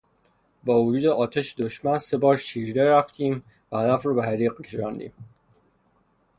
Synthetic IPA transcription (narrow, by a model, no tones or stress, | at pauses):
bɒːvod͡ʒuːd̪eʔɒːt̪ʰæʃed̪oʃmænse̞bɒːɾʃiːɾd̪æɾæft̪ʰiːm | væhæd̪æfɾɒːbehæɾiːqcʰeʃɒːnd̪ḭːm